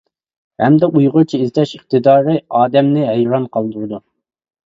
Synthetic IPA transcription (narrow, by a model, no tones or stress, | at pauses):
hɛ̰md̪ɛʔujʁʊɾt͡ʃʰiizt̪ɛʃəχt̪ɨd̪ɑːɾɨɑːd̪ɛmnɪɦejɾɑnqʰɑlˠd̪uɾɨd̪u